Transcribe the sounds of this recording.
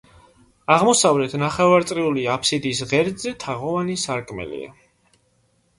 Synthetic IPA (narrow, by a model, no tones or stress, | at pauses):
aʁmɔsavlɛt̪ʰnaχɛvaɾt̪sʼɾiuliapʰsid̪iːsʁɛɾd̪zɛt̪ʰaʁɔvanisaɾkʼmɛ̰lḭa̰